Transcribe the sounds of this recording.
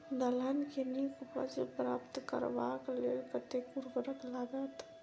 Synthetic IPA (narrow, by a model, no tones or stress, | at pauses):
nɐlankenikpə̰d͡ʒpɾa̰ːpt̪kə̰ɾʋaːkleːlpət̪ekuɾbəɾəklaːɡət̪